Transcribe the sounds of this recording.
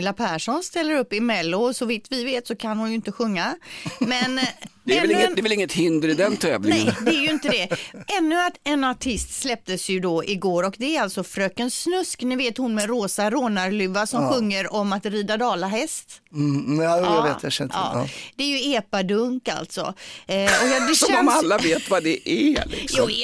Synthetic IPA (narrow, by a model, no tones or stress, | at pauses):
ɪlːapʰæʂɔnst̪ɛlːəɾɵpːɪmɛlːʊsɔvɪt̪vɪveːt̪sɔkʰanhʊnjɵɪnt̪əɧɵŋːamɛnɛnːd̪ɛvɪlɪŋːət̪hɪnd̪əɾɪd̪ɛnt̪ʰɛ̰ːvlɪɛəjd̪ɛæɾjɵɪnt̪əd̪ɛʔɛnːɵat̪ɛnaʈʰɪst̪slɛp̚t̪əsjɵd̪ɔʔɪɡoːɾɔkd̪ɛæɾalt̪sɔfɾøːkənsnɵsknʉveːt̪hʊnmɛɾoːsaɾoːnaɾlʉvːasɔmɧɵŋːəɾɔmat̪ɾiːd̪ad̪ɑːlaɦɛst̪ː | jjaveːt̪jaʃɛnɑ̰ːd̪̥ɛæɾjɵeːpad̪ɵŋka̰lt̪sɔ̰ɔkjɑd̪ɛɔɛmalːaveːt̪vad̪ɛʔælɪ̰kjuː